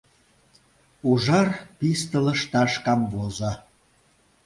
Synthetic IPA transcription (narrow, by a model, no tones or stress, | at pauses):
uʒɑrpist̪ələ̆ʃt̪ɑʃkɑmvozɑ